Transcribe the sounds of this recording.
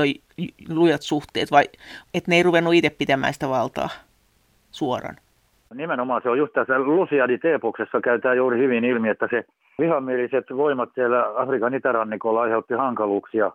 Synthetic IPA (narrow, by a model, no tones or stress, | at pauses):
oi | lujɑt̪suht̪ḛːt̪ʋɑiet̪neiruʋenːuit̪eppit̪æmæ̰ːsi̥t̪æʋɑlt̪ɑ̰ː | suorɑ̰n | nimenomɑːseojust̪t̪æsːælusiɑnit̪eːpoksesːɑkæyt̪æːjuːrihyʋinilmiet̪ːæse | ʋihɑmːieliset̪ʋoimɑt̪siælːæɑfrikɑnit̪ærɑnːikolːɑɑiheut̪ːihɑŋkɑluːksijɑ